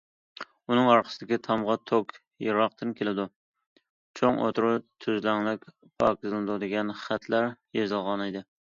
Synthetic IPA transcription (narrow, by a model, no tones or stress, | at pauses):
unɨŋɑɾqʰə̥sɪd̪ɪkʲɪt̪ʰɑmʁɑt̪ʰokʲ | jɪɾɑqt̪ɨnkʲʰelɪd̪ʊ | t͡ʃʰoŋo̰t̪ɾʊt̪ʰyzlæŋlˠɪkʲ | pʰɑ̰kʲɪzlnd̪ʊd̪ɪɡʲɛnχæt̪ʰlæɾjezɨlˠʁɑnɪjd̪ɪ